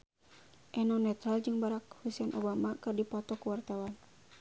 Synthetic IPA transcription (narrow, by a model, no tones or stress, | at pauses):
ʔɛnɔnɛt̪ɾald͡ʒɨŋbaɾak̚husɛnʔɔbamakɨrdipɔt̪ɔkuwart̪awan